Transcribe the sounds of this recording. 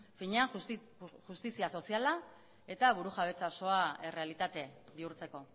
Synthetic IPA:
fiɲeaŋ | ʝust̪isiaso̞siala | e̞t̪aβuɾuxaβ̞e̞t͡saoso̞ae̞re̞alit̪at̪e̞βiuɾt͡se̞ko̞

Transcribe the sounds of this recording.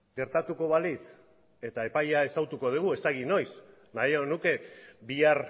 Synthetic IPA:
ɡe̞ɾt̪at̪uko̞βalit͡s | e̞t̪ae̞pajae̞sawt̪uko̞ð̞uɣue̞st̪aɣino̞js | najonuke̞biaɾ

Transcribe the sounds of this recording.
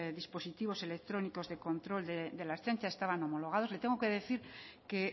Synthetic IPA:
ðispo̞sit̪iβ̞o̞se̞le̞k̚t̪ɾo̞niko̞zðeko̞nt̪ɾo̞ld̪ed̪elast͡ʃant͡ʃasest̪aβano̞mo̞lo̞ɣ̞aðo̞zle̞t̪eŋɡoke̞ðe̞θiɾke

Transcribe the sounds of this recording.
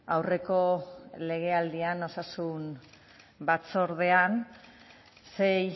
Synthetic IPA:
awre̞ko̞le̞ɣ̞e̞ald̪iano̞sasun | bat͡so̞ɾðe̞an | se̞j

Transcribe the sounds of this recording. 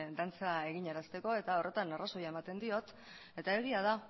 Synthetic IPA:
d̪ant͡sae̞ɣiɲaɾast̪e̞ko̞e̞t̪ao̞re̞t̪anaraso̞jae̞mat̪e̞nd̪io̞t̪ | e̞t̪ae̞ɣ̞iað̞a

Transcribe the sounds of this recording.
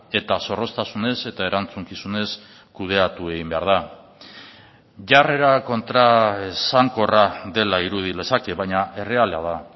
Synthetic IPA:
e̞t̪aso̞ro̞st̪asune̞se̞t̪ae̞ɾant͡suŋkisune̞s | kuð̞e̞at̪ue̞ɣimbe̞aɾð̞a | ʝare̞ɾako̞nt̪ɾasaŋko̞raðe̞laiɾuð̞ile̞sake̞βajɲaʔe̞re̞alea̰ð̞a

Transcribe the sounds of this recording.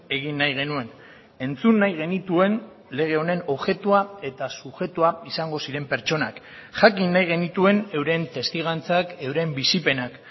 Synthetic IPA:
e̞ɣ̞inːajɣ̞e̞nue̞n | e̞nt͡sunːajɣ̞e̞nit̪ue̞n | le̞ɣ̞e̞o̞ne̞no̞βʝe̞t̪uae̞t̪asuʝe̞t̪uaisaŋɡo̞siɾe̞mpe̞ɾt͡ʃo̞nak | ʝakinːajɣe̞nit̪ue̞ne̞wɾe̞nt̪e̞st̪iɣ̞ant͡sake̞wɾe̞mbisipe̞nak

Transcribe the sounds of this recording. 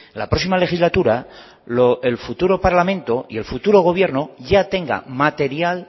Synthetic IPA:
lapɾo̞s̬imale̞xizlat̪uɾa | loelfut̪uɾo̞paɾlamẽ̞nt̪o̞ie̞lfut̪uɾo̞ɣ̞o̞β̞je̞ɾnoʝat̪e̞ŋɡa̰mat̪e̞ɾjal

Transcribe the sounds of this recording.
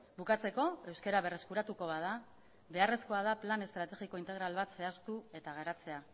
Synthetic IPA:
bukat͡se̞ko̞e̞wske̞ɾaβe̞re̞skuɾat̪uko̞βað̞a | βe̞are̞sko̞að̞aplane̞st̪ɾat̪e̞ɣiko̞int̪eɾalβat̪se̞ast̪ue̞t̪aɣ̞eɾat͡se̞a

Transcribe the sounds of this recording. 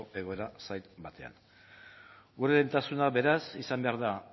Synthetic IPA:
ʔe̞ɣ̞o̞e̞ɾasajt̪bat̪e̞a̰n | ɡuɾeðent̪asunaβe̞ɾasisambe̞aɾða

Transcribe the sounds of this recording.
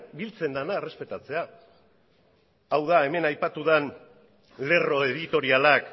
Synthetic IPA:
bilt͡se̞nd̪anaere̞spe̞t̪at͡se̞a | awðae̞me̞najpat̪uðan | le̞ro̞e̞ðit̪o̞ɾialak

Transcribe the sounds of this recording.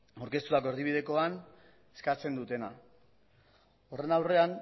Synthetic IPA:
awɾkest̪ut̪ako̞e̞ɾðiβ̞ið̞e̞ko̞an | e̥skat͡se̞nd̪ut̪e̞na̰ | o̞re̞nawre̞an

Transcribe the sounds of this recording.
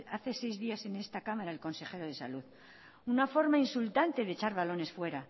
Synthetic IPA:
aθe̞se̞jzðiase̞ne̞st̪akamaɾaelko̞nse̞xe̞ɾo̞ðe̞sa̰luð | unafo̞ɾmainsult̪ant̪e̞ðet͡ʃaɾβalo̞ne̞sfwe̞ɾa

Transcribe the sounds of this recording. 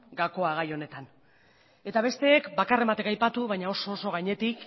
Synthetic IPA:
ɡako̞aɣ̞ajo̞ne̞t̪an | e̞t̪aβ̞e̞st̪e̞ːkbakare̞mat̪e̞kajpat̪uβajɲao̞so̞ːso̞ɣaɲe̞t̪ik

